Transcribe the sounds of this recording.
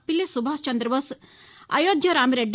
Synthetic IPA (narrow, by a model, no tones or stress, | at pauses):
pilːesubʱaːst͡ʃɐnd̪ɾɐbɐs | ɐ̰joːd̪ʱjɐɾaːmɾeɖ